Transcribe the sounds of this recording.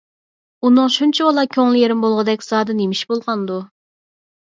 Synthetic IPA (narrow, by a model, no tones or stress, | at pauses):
unɨŋʃunt͡ʃʰɛbɑlˠɑkʲʰøŋlˠɪjeɾɪmbolˠʁəd̪ɛkʲz̥ɑːd̪ɨnemiʃbolˠʁɑnd̪u